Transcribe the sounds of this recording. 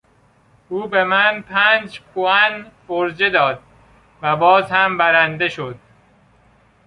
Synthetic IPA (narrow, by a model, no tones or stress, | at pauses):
ʔuːbe̞mænpʰæːnd͡ʒkʰoænboɾd͡ʒed̪ɒːd̪̚ | væbɒːzhæmbæɾænd̪e̞ʃod̪̥̚